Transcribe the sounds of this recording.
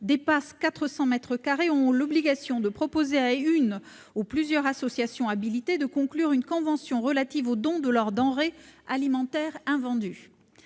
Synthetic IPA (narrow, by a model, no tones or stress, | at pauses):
d̪epaskat̪χəsɑ̃mɛt̪χəkaʁeɔ̃lɔbliɡasjɔ̃d̪əpχɔpozeayn | uplyzjœʁasɔsjasjɔ̃abilit̪ed̪əkɔ̃klyʁynkɔ̃vɑ̃sjɔ̃ʁəlat̪ivod̪ɔ̃d̪əlɔʁd̪ɑ̃ʁealimɑ̃t̪ɛʁɛ̃vɑ̃d̪y